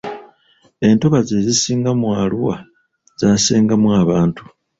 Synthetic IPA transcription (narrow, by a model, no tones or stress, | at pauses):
e̞nto̞βazezisiːŋɡamwaːluwa | z̥aːseːŋɡamwaːβaːntu̥